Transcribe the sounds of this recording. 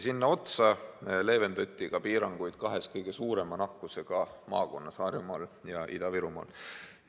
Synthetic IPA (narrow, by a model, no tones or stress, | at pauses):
sinːɑo̞t̪sɑle̞ːve̞nd̪ot̪ʲːiɡ̥ɑpiːɾɑŋɡ̥ujd̪̥̚kɑɦe̞skɤjɡ̥e̞suːɾe̞mɑnɑkːˑuse̞ɡ̥ɑmɑ̰ːko̞nːɑsɑːɾjumɑːljɑʔid̪̥ɑviɾumɑ̰ːl